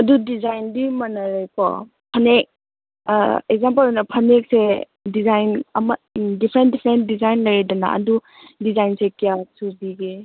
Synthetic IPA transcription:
ɐdudizajndimɐnɐɾajpɔ̰ | pʰɐnek̚ | ek̚zamp̬ɐlnɐpʰɐnek̚se | dizajnɐmɐdipʰɾentdipʰɾent̚dizajnlɐjɾidɐna̰ɐ̰du | dizajnsekijasubiɡe

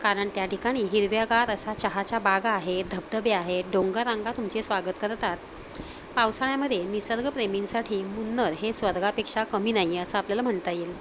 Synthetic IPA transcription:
kaɾəɳt̪jaʈʰikaɽ̃iːɦiɾʋjaɡaɾəsat͡ɕəɦat͡ɕabaɡːɦed̪ʱəb̚d̪əbeaɦeɖõŋɡaɾãŋɡat̪umt͡sesʋaɡət̪kəɾt̪at̪ | pawsaɭjaməd̪ʱjenisəɾɡʱəpɾeminsaʈʰiːmunːəɾɦesʋəɾɡʱapekʂakəmiːnajeəsəapljalam̤əɳt̪ajel

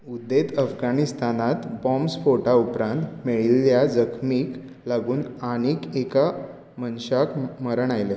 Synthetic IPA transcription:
ud̪et̪əfɡanist̪anat̪bɔmsfoʈaupɾãnt̪meɭiljad͡zəkʰmiːk | laɡuːnaniːkeka | mənɕakməɾəɳajle

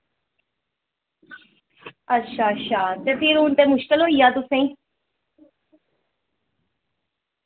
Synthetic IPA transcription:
ətːʃʰaːʃaːt̪epiːɾuːnt̪eːmʊʃkɪlõːɦiːaːt̪ʊsẽiː

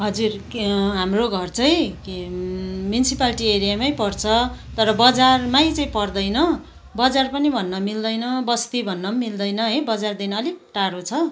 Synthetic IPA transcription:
ɦʌd͡zurɦamroɡʱʌrt͡sʌj̃k | mjunisipalʈieɾijamajpʌrt͡sʰʌt̪ʌɾʌbʌd͡zarmajt͡sʌĩpʌrd̪ʌjnʌ | bʌd͡zarpʌnibʱʌnːʌmild̪ʌjnʌbʌst̪ibʱʌnːʌmild̪ʌjnʌɦʌjbʌd͡zard̪inʌːliʈaɾot͡sʰʌ

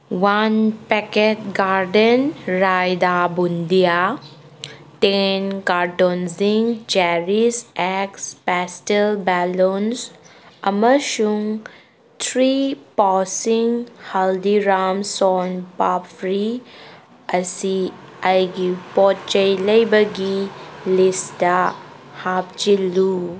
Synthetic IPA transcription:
wanpɛkeʈ̚ɡaɾɖənɾajd̪abund̪ija | tenkaɾʈonziŋd͡ʒɛɾisɛkspɛsʈelbɛlonsəməʃuŋ | t̪ʰɾipɔsiŋhald̪iɾamsɔnpapfɾi | ɐsi | ajɡipɔtt͡ʃəjlɐjbəɡilista | hap̚t͡ʃilu

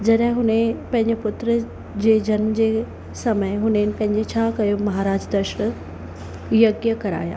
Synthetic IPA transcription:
d͡ʑɐɗɦɪ̃ɦʊnẽpɐ̃ɦɪ̃ɲd͡ʑʊpʊt̪ɾə | d͡ʑeːd͡ʑɐnməd͡ʑeː | sɐməjɦʊnenɪ̆pɐ̃ɦɪ̃ɲd͡ʑet͡ɕʰaːkɐjomɐɦaːɾaːd͡ʑd̪ɐʃɽ | jɐɡjəkɐɾa̰ːja̰ː

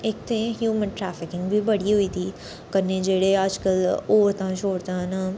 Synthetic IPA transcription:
eːk̚t̪ẽɦjuːmənʈɾaːfɪkɪ̃ŋɡbʱibɐɽ̤iɦʊit̪ʰiː | kɐɾned͡ʒeːɽeaːd͡ʒkəloːɾt̪ãt͡ʃʰoːɽt̪ãɦna

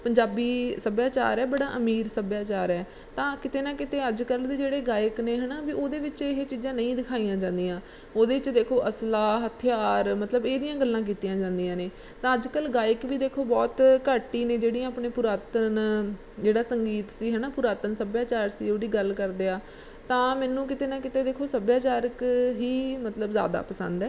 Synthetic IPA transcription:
pəɲd͡ʒaːbiːsəbjaːt͡ʃa̰ːɾɛːbəɽaːʔəmiːɾsəbjaːt͡ʃaːɾɛː | t̪ãːkɪt̪eːnãːkɪt̪eːəd͡ʒkəld̪eːd͡ʒeːɽeːɡaːɪkneːɦɛːnaːbiːoːd̪eːʋɪt͡ʃɪɦet͡ʃiːd͡ʒãːnəĩːd̪ɪkʰaːijãːd͡ʒãːnd̪ijãː | oːd̪eːʋɪt͡ʃd̪eːkʰoːʔəslaːɦət̪ʰɪjaːɾmət̪ləbeːd̪ijãːɡəlːãːk̬iːt̪ijãːd͡ʒãːnd̪ijãːneː | t̪ãːəd͡ʒkəlɡaːɪkʋiːd̪eːkʰoːbɔːt̪kəːʈiːnẽːd͡ʒeːɽijãːpɳeːpʊɾaːt̪ən | d͡ʒeːɽaːsəŋɡiːt̪siːɦɛːnaːpʊɾaːt̪ənsəbjaːt͡ʃaːɾsḭːoːɽiːɡəlkəɾd̪eːaː | t̪ãːmɛːnũːk̬ɪt̪eːnaːkɪt̪eːd̪eːkʰoːsəbjaːt͡ʃaːɾəkɦiːmət̪ləbzja̰ːd̪a̰ːpəsə̰̃nd̪ɛː

